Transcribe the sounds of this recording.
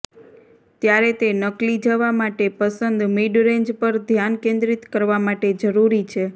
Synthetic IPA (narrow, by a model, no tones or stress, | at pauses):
t̪jaɾet̪enəklid͡ʒəʋamaʈepəsənd̪miɖɾẽɲd͡ʒpəɾd̪ʱjankẽnd̪ɾit̪kəɾʋamaʈed͡ʒəɾuɾit͡ʃʰe